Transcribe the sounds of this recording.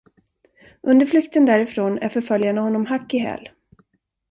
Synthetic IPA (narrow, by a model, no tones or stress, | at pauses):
ʔɵnd̪əɾflʏkt̪ənd̪æːɾɪfɾoːnæ̰ɾfœɾfœljaɳahɔnːɔmɦakːɪɦɛ̰ːl